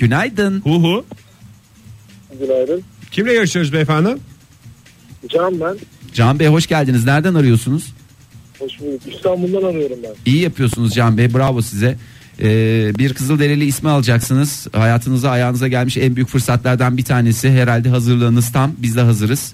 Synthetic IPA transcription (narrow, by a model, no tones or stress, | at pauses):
ɟ̥ynajd̪ɯnhuɦu | ɟynajd̪ɯncʰimlʲɛjaɾɯʃɯjoɾuzbefannɯm | d͡ʒambænd͡ʒanbejɦo̞ʃɟælʲd̪iniznæɾd̪ænaɾɯjo̞sunuz̥ | ho̞ʃbulˠːukist̪ʰanbulˠd̪anaɾɯjo̞ɾumbænijijapʰɯjo̞sunuzd͡ʒanbejbuɾavosizɛ | ɛːbiɾkʰɯzɯlˠd̪e̞ɾʲelʲiːsmɛalˠad͡ʒaksɯnɯz̥hajaːt̪ʰɯnɯzaːjaːnɯzaɟælʲmiʃænbyjycʲfɯɾsat̪lˠaɾd̪anbit̪ʰaːne̞sɪɦe̞ɾalʲd̪ɛɦazɯɾlˠaɯnɯzt̪ʰambizd̪ɛɦazɯɾɯz̥